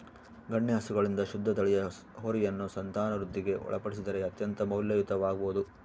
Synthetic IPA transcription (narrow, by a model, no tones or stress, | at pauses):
ɡɐɳːjɐɦɐsuɡɐɭind̪ɐʃud̪ʱːɐd̪ɐɭɛjɐ | ɦoːɾijɐnːusɐnt̪aːnɐɾud̪ʱːiɡe̞ʔɔ̰ɭɐpɐɽisid̪ɐɾe̞ɐt̪jɐnt̪ɐmɐwljɐʋit̪ɐʋaːɡɐboːud̪u